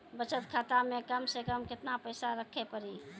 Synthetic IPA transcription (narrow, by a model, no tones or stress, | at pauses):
bət͡ʃət̪kʰat̪amekəmsekəmkɪt̪napəjsaɾəkʰepəɾi